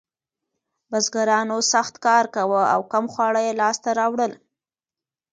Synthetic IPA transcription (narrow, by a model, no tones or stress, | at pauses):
bazɡaɾɑnosaxt̪kɑɾkawəa̰wkamxwɑɽajelɑst̪aɾɑwɽəl